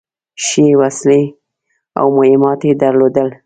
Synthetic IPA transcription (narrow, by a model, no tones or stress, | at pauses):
ʃewasle | a̰wmʊhɪmɑt̪ed̪əɾlod̪əl